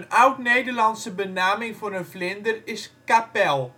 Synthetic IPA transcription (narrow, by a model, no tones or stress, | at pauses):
ənœwknejdərlɑntsəbənaːmɪŋvɔnənflɪndərɪskapɛlˠ